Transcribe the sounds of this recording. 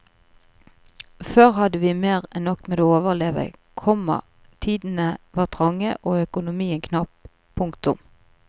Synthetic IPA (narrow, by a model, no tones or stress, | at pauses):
føːʁhɑd̪əʋiːmeːʁɛnːɔkmɛd̪oːoːʋəʁleːʋə̰kʰɔmɑ̰ | t̪ʰiːd̪n̩əʋɑːʁt̪ʰʁɑŋːəʔoːœkʊnʊmiːənkʰnɑp | pʰːʊŋkt̪ʊm